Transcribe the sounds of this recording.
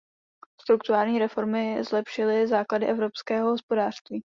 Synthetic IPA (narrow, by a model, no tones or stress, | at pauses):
st̪ɾukt̪uɾaːlɲiːɾɛfo̞ɾmɪzlɛpʃɪlɪzaːkladɪʔɛvɾo̞pskɛːɦoɦospo̞daːr̥st̪viː